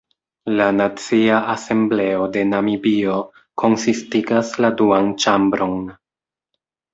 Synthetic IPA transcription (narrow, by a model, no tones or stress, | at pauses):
lanat͡siaʔase̞mble̞o̞de̞namibio̞ | kʰo̞nsistiɡasladuant͡ʃambɾo̞n